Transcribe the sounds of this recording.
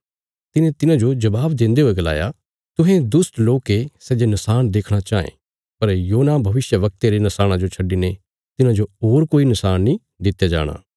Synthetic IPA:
t̪ɪnẽt̪ɪnãd͡ʒod͡ʒɐbaːbd̪ɪ̃nd̪eɦoːeɡɐla̰ːja | t̪ʊ̃ɦẽd̪ʊsʈloːkesɛːd͡ʒenɐsaːñd̪eːkʰɽ̃at͡ʃaːḛ̃ | pɐɾjoːnabʱɐʋɪsjəʋɐk̚t̪eɾenɐsaːɽ̃ãd͡ʒot͡ʃʰɐɖine | t̪ɪnãd͡ʒoɦoːɾkoːinɐsaːnnĩ | d̪ɪt̪ːjad͡ʒa̰ːɽ̃a̰ː

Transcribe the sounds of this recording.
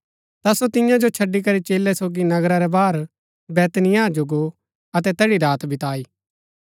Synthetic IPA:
t̪asot̪ɪjãd͡ʒot͡ʃʰɐɖːik̬ɐɾit͡ʃeːlːɛsoːɡinɐɡɾaɾɛbaːɾ | bɛːt̪nɪjaːd͡ʒoɡo | ɐt̪ɛt̪ɛːɽiɾaːt̪bʱɪt̪aːiː

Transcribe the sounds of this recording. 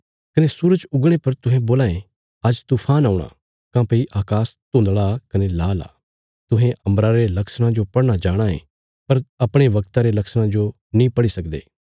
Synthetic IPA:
kɐnesuːɾəd͡ʒʊɡɽ̃epɐɾt̪ʊ̃ɦẽboːlaːẽ | ɐd͡ʒt̪uːpʰaːnaːuɽ̃a̰ | kãpeːiʔaːkaːst̪õːnd̪ɭakɐnelaːla̰ː | t̪ʊɦẽʔɐ̃mbɾaɾelɐksɽ̃ãd͡ʒopɐɽñad͡ʒaːɽ̃aḛ̃ | pɐɾɐpɽ̃eʋɐkt̪aɾelɐksɽ̃ãd͡ʒo | nĩpɐɽisɐkd̪ḛː

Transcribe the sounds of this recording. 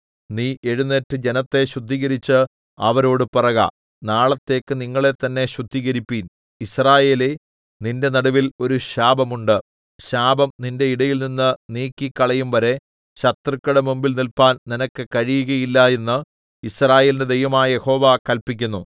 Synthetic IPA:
niːʔe̞ɻunːetːɨd͡ʑe̞nɐt̪ːe̞ɕrud̪ʱːiɣɐɾit͡ɕːɨ | ɐʋɐɾo̞ːɽɨpirɐɣɐ̰ | naːɭɐt̪ːe̞ːkːɨniŋːɐɭe̞t̪ːɐnːe̞ɕrud̪ʱːiɣɐɾipːiːn | israːje̞ːle | ninde̞nɐɽɐʋilo̞ɾuɕaːbɐmuɳɖɨ | ɕaːbɐmninde̞iɽɐjilninːɨniːkːikːɐɭɐjumʋɐɾe̞ | ɕɐt̪rikʲːuɽemumbilnilpaːnninɐkːɨkɐɻijuɣɐjilːɐe̞nːɨ | israːje̞ːlindɨd̪ejʋɐmaːjɐje̞ho̞ːʋaːkɐlpikʲːunːu

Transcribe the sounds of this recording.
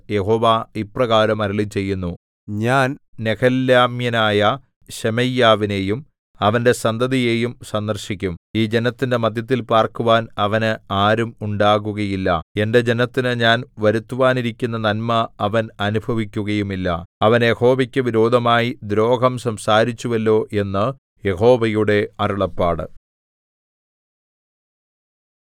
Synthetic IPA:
je̞ho̞ːʋaːiprɐɣaːɾɐmɐɾiɭit͡ɕe̞jːunːu | ɲaːnnekʰɐlːjaːmjɐnaːjɐ | ɕemɐjːaːʋine̞ːjum | ɐʋɐnde̞sɐnd̪ɐðije̞ːjumsɐnd̪ɐrɕikʲːumiːd͡ʑe̞nɐt̪ːinde̞mɐd̪ʱjɐt̪̬ːilpaːrkuʋaːnɐʋɐnɨaːɾumuɳɖaːɣuɣɐjilːɐ̰e̞nde̞d͡ʑe̞nɐt̪ːinɨɲaːnʋɐɾut̪ːuʋaːniɾikʲːunːɐnɐnmɐːʋɐnɐnubʱɐʋikʲːuɣɐjumilːɐ̰ɐʋɐnje̞ho̞ːʋɐkʲːɨʋiɾo̞ːd̪ʱɐmaːjid̪ɾo̞ːɡʱɐmsɐmsaːɾit͡ɕːuʋɐlːo̞ːʔe̞nːɨ | je̞ho̞ːʋɐjuɽe̞ɐruɭɐpːaːɽɨ̰

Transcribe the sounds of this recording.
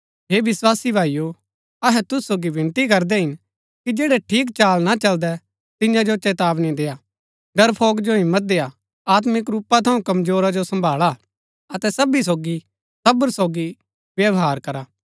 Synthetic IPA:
ɦeːʋɪswaːsibʱaːijo | ɐɦɛt̪ʊssoːɡiʋɪ̃nt̪ik̬ɐɾd̪ɛɦɪn | kid͡ʒeːɽɛʈʰiːk̬t͡ʃaːlnat͡ʃɐld̪ɛ | t̪ɪ̃jãd͡ʒot͡ʃɛːt̪aːbnĩd̪eːaː | ɖɐɾpʰoːɡd͡ʒoɦɪ̃mːət̪̚d̪eːa | aːt̪̬mɪkɾuːpːat̪ʰɐũkɐmzoːɾad͡ʒosɐ̃mbʱaːɭa | ɐt̪ɛsɐbis̬oːɡi | sɐbəɾsoːɡi | ʋjɐʋɦaːɾkɐɾaː

